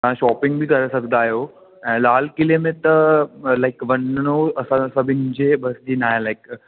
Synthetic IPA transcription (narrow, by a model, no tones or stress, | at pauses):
t̪ãʃɔːpɪ̃ŋɡ̚bʱikɐɾesɐɡʱnd̪aːɦijo | ɛ̃ːlaːl̤kɪlemẽt̪ɐlaɪkʋɐnɽ̃oɐsãsɐbʱɪnɪd͡ʑebɐsd͡ʑiːnaːɦẽlaɪk